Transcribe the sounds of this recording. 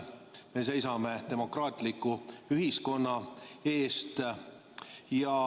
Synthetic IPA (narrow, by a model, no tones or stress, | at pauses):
me̞se̞jsɑme̞t̪e̞mo̞krɑːt̪ˑlikːˑuyɦisko̞nːɑe̞ːst̪ | jɑ